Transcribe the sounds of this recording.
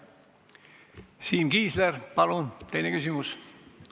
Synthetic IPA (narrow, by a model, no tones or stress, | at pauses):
siːmkiːslerpɑlunt̪e̞jnekysimus